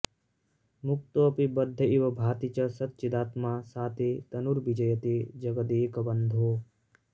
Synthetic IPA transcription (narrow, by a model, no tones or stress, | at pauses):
muk̚t̪oːpibɐd̪ʱːɐiʋɐbʱaːt̪it͡ʃɐsɐt̪t͡ʃid̪aːt̪maːsaːt̪ʰet̪ɐnuɾbid͡ʒɐjɐt̪eːd͡ʒɐɡɐd̪eːkɐbɐnd̪ʱoː